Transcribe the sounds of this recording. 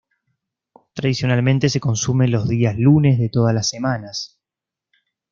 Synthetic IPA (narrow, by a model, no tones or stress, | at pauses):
t̪ɾaðisjo̞nalmẽnt̪e̞se̞ko̞nsume̞nlo̞zðiaslune̞zðet̪o̞ð̞alasːemanas